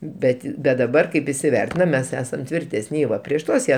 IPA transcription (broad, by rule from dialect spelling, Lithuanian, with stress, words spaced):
ˈbʲɛtʲ bʲɛt dɐˈbɐr kɐɪp ɪsʲɪˈʋʲɛrʲtʲɪnɐm ˈmʲɛs ˈæːsɐm tʲʋʲɪrʲˈtʲæːsʲnʲɪ ˈʋɐ pʲrʲiɛʃ ˈtuɔs ˈjiɛ